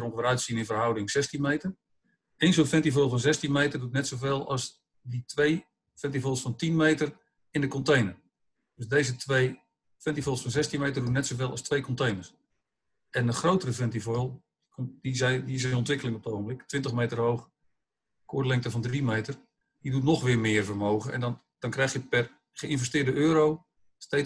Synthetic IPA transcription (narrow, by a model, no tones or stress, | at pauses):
rõŋʋəɾœɥtsinɪnvərɦʌwdɪŋzɛstinmejtər | enzonfɛntivojlˠfɔnzɛstinmejtərdutnɛtsowveːlˠɑ̰s | ditʋej | fɛntifolˠsfɔntinmejtər | ɪndəkɔntejnər | d̥øsdejzətʋej | fɛntifolˠsfɔnzɛstinmejtərdutnɛtsowvɪlˠɑstʋejkɔntejnərs | ɛnəχrowtərəfɛntifolˠ | kdizdiɪs̬ɪnɔntʋɪkəlɪŋɔp̚dəowɣəmblɪktʋɪntəχmejtərɦowχ | kʰʊːdlɪŋtəvɔndrimejtər | didutnɔχʋɪːrmɪːərvərmoːɣəɛ̰ndn | d̥ɔnkrɛjxjəpɛr | χəɪnvəstɪːrdəʔøːɾow | ste